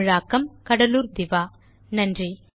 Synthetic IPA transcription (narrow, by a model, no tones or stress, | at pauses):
ɻaːkːɐmkɐɽɐluːɾd̪ɪʋaː | nɐndri